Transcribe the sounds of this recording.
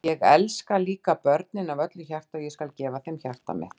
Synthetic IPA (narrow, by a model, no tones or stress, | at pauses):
jɛɣɛ̰lskaliːkapœɾt̪nɪnavœt̪lʏçar̥t̪aɔjɛskalcɛːvaθɛjmçar̥t̪a̰mɪ̰θ